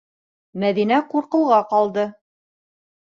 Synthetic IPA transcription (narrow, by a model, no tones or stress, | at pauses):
mæðinæquɾqɤ̆lˠʁɑqɑlˠd̪ɤ